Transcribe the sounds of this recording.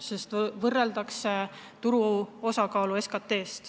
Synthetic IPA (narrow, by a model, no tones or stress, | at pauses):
sest̪vɤrːe̞ld̪ɑkset̪uɾuo̞sɑkɑːlue̞skɑt̪ːˑe̞ːst̪